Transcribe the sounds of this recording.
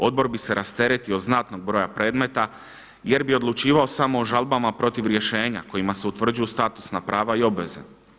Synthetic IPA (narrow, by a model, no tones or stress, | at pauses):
o̞d̪̚bo̞ɾbise̞ɾʔast̪e̞ɾe̞t̪io̞d̪znat̪no̞ɡ̚bɾo̞ːjapɾe̞ːd̪me̞t̪a | je̞ɾbio̞d̪lˠut͡ʃiːʋao̞samo̞ːʒalbamapɾo̞t̪iʋɾje̞ʃe̞ːɲako̞jimase̞ut̪ʋr̩d͡ʒujust̪aːt̪u̥snapɾaːʋaio̞bʋe̞zḛ